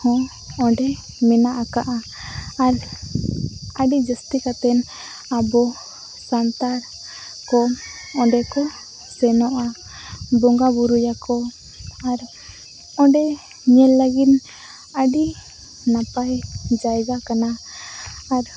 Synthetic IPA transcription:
hɔ̃ | ɔ̃ɖɛ | mɛnaʔakaʔaː | ɾ | əɖid͡ʒəst̪ikat̪ɛn | abɔ | sant̪aɾ | kɔ | ɔ̃ɖɛkɔ | sɛnɔʔa | bɔŋɡabuɾujakɔ | aɾ | ɔ̃ɖɛ | ɲɛlːəɡit̪ | əɖi | napajd͡ʒajɡakanaː | ɾ

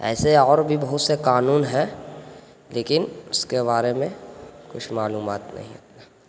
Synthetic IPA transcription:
ɛ̰ːseɔːɾbʱibɐɦʊt̪sekaːnuːnɦɛ | leːkɪnʊskeβaːɾemẽkʊt͡ʃʰmaːluːmaːt̪nɐ̰ɦĩɐ̰t̪neː

